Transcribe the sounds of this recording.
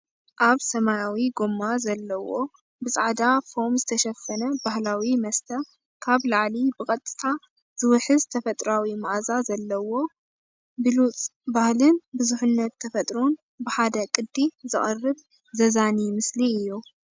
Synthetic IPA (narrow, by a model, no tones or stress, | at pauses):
ʔaβsɐmajawiɡomːazɐlːɐwo̞ | bɨsʼaʕd̪afo̞mzɨt̪ʰɐʃɐfːɐnɐbahlawimɐst̪ʰɐ | kʰaβlaʕlibɨkʼɐt̪ʼɨ̥t̪ʰa | z̥ɨwɨħɨzt̪ʰɐfɐt̪ʼɾawimaʔzazɐlːɐwo̞ | bɨlut͡sʼbahlɨnbɨzuħɨnːɐt̪ʰːɐfɐt̪ʼɾon | bɨħad̪ɐkʼɨd̪ːizɨχʼɐrːɨβ | zɐzanimɨsliɨjːu